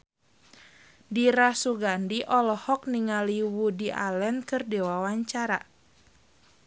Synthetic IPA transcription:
diɾasuɡandiʔɔlɔhɔk̚niŋaliwudiʔa̰lɛnkɨrdɛwawaɲt͡ʃaɾa̰

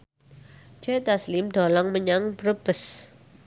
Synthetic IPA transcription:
d͡ʒɛt̪aslimd̪̥ɔ̤lɔŋməɲaŋb̥əɾəb̥əs

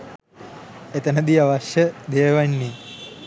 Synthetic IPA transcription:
et̪ənəd̪iaʋɐʃjəd̪eːʋɐjnːi

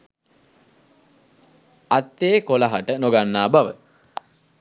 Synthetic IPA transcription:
at̪ːeːkolaɦaʈənoɡanːaːbaʋə

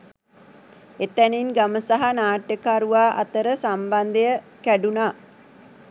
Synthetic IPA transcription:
et̪æninɡaməsaɦanaːʈjəkəaɾuʋaːʔa̰t̪əɾəsamband̪ejə | kæɖunaː

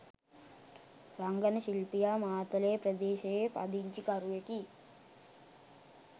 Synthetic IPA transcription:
ɾɐŋɡɐnɐʃilpijaːmaːt̪ɐleːpɾɐd̪eːʃɐeːpɐ̰d̪iɲt͡ʃikɐɾuʋeki

